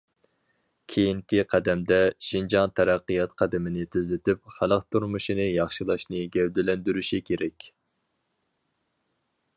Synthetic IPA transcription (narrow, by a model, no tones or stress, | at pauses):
kʲʰejiŋkʲiqʰæd̪ɛmd̪ɛʃind͡ʒɑŋt̪ʰæɾæqːɨjɑt̪qʰæd̪ɪmɪnɪt̪ʰɪzlɪt̪ɪpχælˠəqt̪ʰuɾmuʃinɨjɑχʃilˠɑʃnɨɡʲɛwd̪ɪlɛnd̪yɾyʃikʲʰeɾɛkʲ